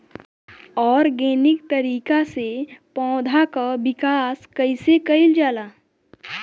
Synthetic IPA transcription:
ɔːɾɡenikt̪əɾiːkasepɔ̃d̪ʱakabikaskəjsekəild͡ʒala

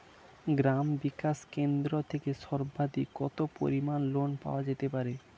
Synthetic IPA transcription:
ɡɾambikaʃkend̪ɾot̪ʰekeʃɔɾbad̪ikɔt̪opo̰ɾimanlonpa̰oad͡ʑet̪epaɾe

